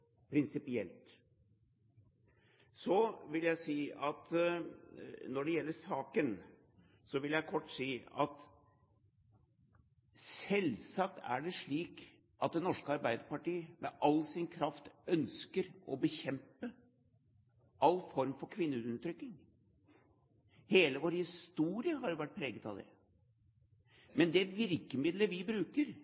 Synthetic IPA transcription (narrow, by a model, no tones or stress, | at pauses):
pʰɾɪnsɪpɪɛlt̪ | sɔʋɪljæɪsiːɑt̪ | nɔɖɛjɛlːəsɑːkən | sɔʋɪljæɪkʰɔʈːsiːɑt̪ | sɛlsɑk̚t̪æ̰ɖɛʂɭiːk | ʔɑt̪̚d̪ɛnɔʂkəɑɾbæɪd̪əɾpɑʈiːəmʔɛ̰ʔɑlːsɪnkʰɾɑft̪œnskəɾʔɔbəçɛmpə | ʔɑlːfɔɾmfɔɾkʰʋɪnːəʉnːət̪ʰɾʏknɪŋ | heːləʋoːɾhɪst̪uːɾɪəɦɑɾjʊʋæʈ̚pʰɾeːɡət̪ɑʋd̪ɛ̰ | mɛnd̪ɛʋɪɾkəmɪd̪ləʋɪbɾʉːkəɾ